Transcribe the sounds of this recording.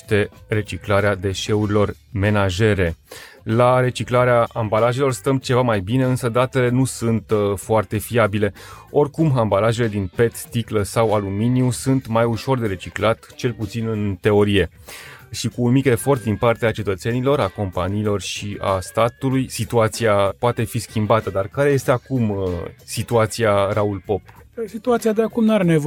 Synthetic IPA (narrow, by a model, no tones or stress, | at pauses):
t̪e̞re̞t͡ʃiklaɾead̪e̞ʃe̞uɾilo̞rme̞naʒe̞ɾe̞laɾe̞t͡ʃiklaɾeaʔambalaʒe̞lo̞rst̪əmt͡ʃe̞vamajbine̞ɨnsəd̪at̪e̞le̞nusunt̪foart̪e̞fiabile̞o̞rkumambalaʒe̞le̞d̪inpe̞t̪ːikləsawaluminiusunt̪majuʃo̞rd̪e̞ɾe̞t͡ʃiklat̪t͡ʃe̞lput̪sinɨnt̪e̞o̞ɾije̞ | ʃikuːnmikʲe̞fo̞rt̪d̪inpart̪eat͡ʃe̞t̪ət̪se̞nilo̞ɾako̞mpaniːlo̞rʃia̰st̪at̪ulujsit̪uat̪siapoat̪e̞fiskʲimbat̪əd̪arkaɾe̞je̞st̪e̞akumsit̪uat̪siaɾaulpo̞psit̪uat̪siad̪eakumnaɾenev